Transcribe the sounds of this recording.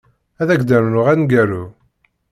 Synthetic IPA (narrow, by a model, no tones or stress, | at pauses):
æðæɡd̪æɾnʊʁænɡæɾu